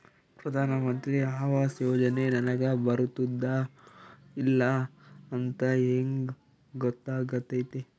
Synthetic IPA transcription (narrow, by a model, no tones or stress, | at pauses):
pɾɐd̪ʱaːnɐmɐnt̪ɾiaːʋaːsjoːd͡ʒɐnenɐnɐɡɐbɐɾut̪id̪ːɐ | ilːɐːnt̪ɐeːŋ | ɡɔt̪ːaːɡɐt̪ːɐjt̪e